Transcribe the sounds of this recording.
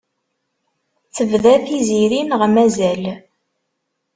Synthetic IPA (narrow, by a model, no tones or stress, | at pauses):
θəvðæθiziɾinəʁmæzæl